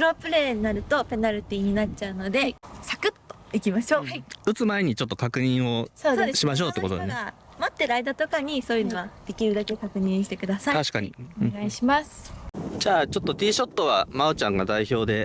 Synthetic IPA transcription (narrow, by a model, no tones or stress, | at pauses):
pɯɾo̞pɯ̟ɾe̞ːɲinaɾɯ̟t̪o̞pe̞naɾʲit̪ʲiːɲ̟inat͡ɕaɯ̟no̞d̪e̞sakɯ̟t̪ːo̞ikʲimaɕo̞ːɯ̟t͡sɨmaeɲ̟it͡ɕo̞t̪ːo̞kakɯ̟ɲ̟ĩɰ̃o̞soːd̪eɕimaɕ̬o̞ːt̪ːeko̞t̪od̪enea | mot̪ːe̞ɾɯaid̪at̪o̞kaɲ̟iso̞ːjɯ̟noβad̪̥e̞kʲiɾɯ̟d̪ake̞kakɯ̟ɲ̟ĩɕi̥t̪e̞kɯ̟d̪asaiaɕi̥kaɲḭoɡaiɕimasɨ̥d͡ʑaːt͡ɕo̞t̪ːo̞t̪ʲiːɕo̞t̪ːo̞βamaot͡ɕãŋɡad̪aiço̞ːd̪e̞